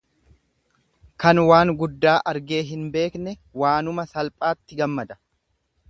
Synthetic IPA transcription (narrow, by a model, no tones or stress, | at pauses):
kɐnwaːŋɡʊd̪ːaːʔɐɾɡe̞ːɦɪnbe̞ːknɛwaːnʊmɐsɐlpʼaːt̪ːɪɡɐmːɐd̪ɐ̥